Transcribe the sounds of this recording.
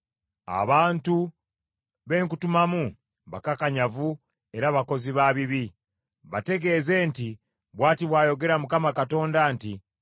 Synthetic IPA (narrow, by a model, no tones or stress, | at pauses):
a̰βaːntu | βe̞ːŋkutumamu | βakakaɲavu | e̞ɾaβako̞ziβaβiβi | βate̞ɡe̞ːze̞ːnti | βwaːtiβwaːjo̞ɡe̞ɾamukamakato̞ːndanti